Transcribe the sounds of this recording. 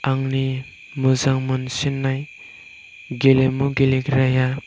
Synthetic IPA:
aŋni | muzaŋmunsinːaj | ɡelemuɡeleɡɾaja

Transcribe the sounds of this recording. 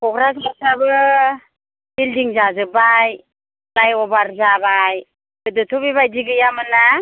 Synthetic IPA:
kɔɡɾazmasabɯ | bildiŋzazɯbaj | lajɔbaɾzabaj | bɯdɯtʰuβiβajziɡɯjamɯna

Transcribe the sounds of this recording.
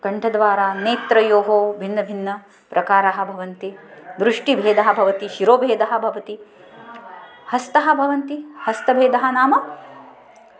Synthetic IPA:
kɐɳʈʰɐd̪ʋaːɾaːneːt̪ɾɐjoːɦoːbʱinːɐbʱinːɐ | pɾɐkaːɾaːɦɐ̆bʱɐʋɐnt̪id̪ɾuʂʈibʱeːd̪ɐɦɐ̆bʱɐʋɐt̪iʃiɾoːbʱeːd̪ɐɦɐ̆bʱɐʋɐt̪i | hɐst̪ɐɦɐ̆bʱɐʋɐnt̪ihɐst̪ɐbʱeːd̪ɐɦɐ̆naːmɐ

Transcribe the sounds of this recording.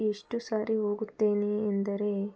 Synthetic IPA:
eʂʈusaːɾiɦo̞ːɡut̪ːe̞ːneːnd̪ɐɾe̞

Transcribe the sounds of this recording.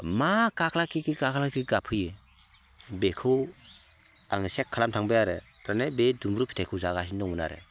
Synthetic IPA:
makakʰlakikikakʰlakiɡapʰɯjɯ | bekʰɯw | aŋɯsekʰːalamtʰaŋbajaɾepɾanebedumɾupʰi̥tʰajkʰɯwzaɡas̬indɔŋɯna̰ɾḛ

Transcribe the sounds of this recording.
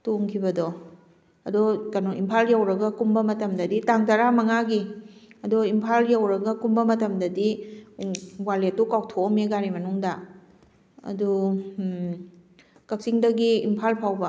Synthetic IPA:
toŋkʰibɐdɔ | ɐdɔkanɔimpʰaljawɾɐɡɐkumbɐmɐtɐmdɐditaŋtaɾamɐŋaɡiɐdɔimpʰaljawɾɐɡɐkumbɐmɐtɐmdɐdi | ɡwaletːukawtʰoːmeɡaɾimɐnuŋda | ɐ̰du | kɐk̚siŋdɐɡiimpʰalpʰawbɐ

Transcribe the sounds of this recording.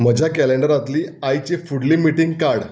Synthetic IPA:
məd͡ʑʱjakæleɳɖəɾat̪liːajt͡ɕefuɽliːmiʈiŋɡkaɽ

